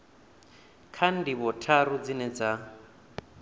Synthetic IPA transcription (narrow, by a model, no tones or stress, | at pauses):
kʰan̩diβɔtʰaɾud͡zinɛd͡za